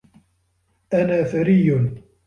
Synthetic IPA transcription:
ʔanaːfaɾijːʊn

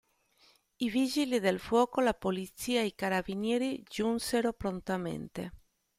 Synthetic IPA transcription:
ivid͡ʒilid̪elfwɔːkolapolit̪siːaeikaɾabinjɛːɾid͡ʒunseɾopɾont̪amḛnt̪ḛ

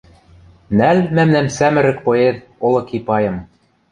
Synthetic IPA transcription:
nælmæmnæmsæmɘ̆ɾɘ̆k̚poeð | olɤ̆kipɑjɤ̆m

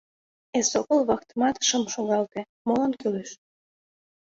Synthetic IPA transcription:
esokəlβɑkt̪mɑt̪ʃəmʃoɣɑlt̪e | molənkyleʃ

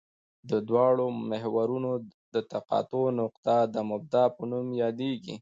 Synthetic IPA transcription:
d̪əd̪wɑɽomɪɦwaɾunod̪ət̪aqɑ̰t̪onʊqt̪ad̪əmʊb̚d̪ɑpənumjɑd̪eɡḭ

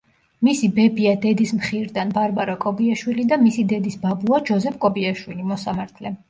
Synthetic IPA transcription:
misibɛbiad̪ɛd̪ismχiɾd̪anbaɾbaɾakʼɔbiaʃwilid̪amisid̪ɛd̪isbabuad͡ʒɔzɛp̚ʰkʼɔbiaʃwilimɔsamaɾt̪ʰlɛ

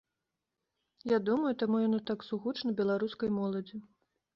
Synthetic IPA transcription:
jad̪umɐjut̪amujanɔt̪aksuɣut͡ʂnɐbʲɛlˠaɾuskɐjmɔlˠɐd͡zʲi

